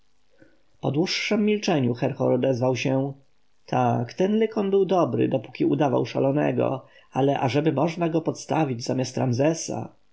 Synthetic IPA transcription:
pɔd̪wuʂːɛmːʲilt͡ʂɛɲuxɛɾxɔɾɔd̪ɛzvawɕɛ | t̪ʰakt̪ɛnlɘkɔnbɘwd̪ɔbɾɘ̰d̪ɔpu̥kʲiud̪ava̰wʂa̰lɔnɛ̰ɡɔ̰ | alɛʔaʐɛbɘmɔʐnaɡɔpɔt̪st̪avʲid͡ʑzamʲjast̪ɾanzɛsa̰

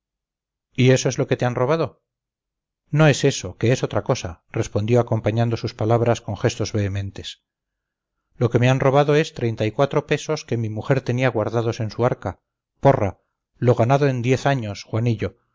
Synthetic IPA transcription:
ie̞soezlo̞ke̞t̪eanro̞β̞að̞o̞ | no̞e̞se̞so̞ke̞eso̞t̪ɾako̞sa | re̞spo̞nd̪jo̞ako̞mpaɲand̪o̞suspalaβɾasko̞ŋxe̞st̪o̞zβe̞ːmẽ̞nt̪e̞s | lo̞ke̞me̞anro̞β̞aðo̞e̞st̪ɾe̞jnt̪aikwat̪ɾo̞pe̞so̞ske̞mimuxe̞ɾt̪e̞niaɣwaɾðaðo̞se̞nsuaɾka | po̞ra | lo̞ɣanaðoe̞nd̪je̞θaɲo̞sxwaniʎo̞

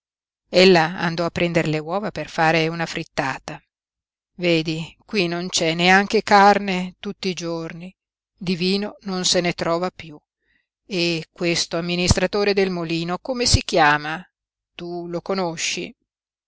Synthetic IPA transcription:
elːaa̰nd̪ɔapːɾɛnd̪eɾlewɔːvaperfaːɾeunafɾit̪ːaːt̪a | veːd̪ikwinont͡ʃɛneaŋk̟ekarnet̪ut̪ːid͡ʒorni | d̪iviːnononsenet̪ɾɔːvapju | ekːwest̪oamːinist̪ɾat̪oːɾed̪elmoliːnokomesik̟jaːma | t̪ulokonoʃːḭ

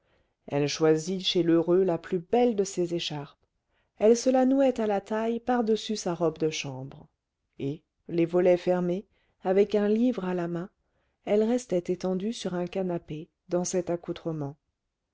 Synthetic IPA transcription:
ɛlʃwaziʃeløʁølaplybɛld̪əsezeʃaʁp | ɛlsəlanuɛt̪alat̪ajpaʁd̪əsysaʁɔbd̪əʃɑ̃bʁ | e | levɔlɛfɛʁme | avɛkɛ̃livʁalamɛ̃ | ɛlʁɛst̪ɛt̪et̪ɑ̃d̪ysyʁɛ̃kanape | d̪ɑ̃sɛt̪akut̪χəmɑ̃

